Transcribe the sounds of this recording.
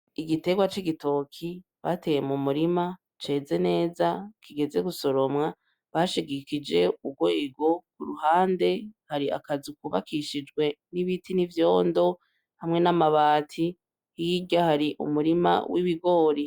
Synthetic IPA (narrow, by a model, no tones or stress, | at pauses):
iɡite̞ɡwat͡ʃiɡito̞kʰi | βa̰tejemumuɾima | t͡ʃe̞ːze̞ne̞ːzakʰiɡe̞ze̞ɡuso̞ɾo̞mŋa | βaʃiɡikid͡ʒe̞uɡwe̞ːɡo̞k̚uɾuhaːnde̞haɾia̰kazikuβa̰kʰiʃid͡ʒɡwe̞niβitʰinivjo̞ːndo̞ | hamŋe̞namaβaːtʰi | hiɟahaɾiʔṵmuɾima̰wʔiβiɡo̞ːɾi